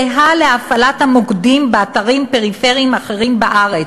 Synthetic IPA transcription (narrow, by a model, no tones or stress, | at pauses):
eɦaleafalat̪hamoɡdimbeataʁimpe̞ʁife̞ʁiimaχe̞ʁimbaʔaʁe